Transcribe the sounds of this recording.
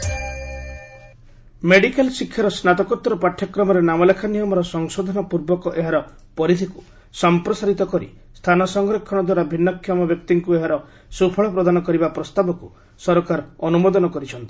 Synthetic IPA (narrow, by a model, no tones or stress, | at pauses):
meɽikelsikʰjaɾɔsnat̪ɔkɔt̪ːɾɔpaʈʰːjɔkɾɔmɔɾenamɔlekʰanijɔmɔɾɔsɔŋsɔd̪ʱɔnɔpuɾbɔkɔʔeɦaɾɔ | pɔɾit̪ʰiku̥ | sɔmpɾɔsaɾit̪ɔkɔɾḭ | st̪ʰanɔsɔŋɡɾekʰːɔɽ̃ɔd̪waɾabʱinːɔkʰːjɔmɔbjɔk̚t̪iŋkueɦaɾɔ | supʰɔɭɔpɾɔd̪anɔkɔɾibapɾɔst̪abɔku | sɔɾkaɾɔnumɔd̪ɔnɔkɔɾit͡ʃʰɔnt̪i̥